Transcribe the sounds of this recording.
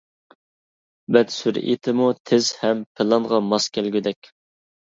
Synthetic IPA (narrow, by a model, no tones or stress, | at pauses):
bɛd̪syɾḭt̪ʰɪmut̪ʰɪzhɛmpʰɪlˠɑnʁɑmɑskʲʰælɡʲyd̪ɛkʲ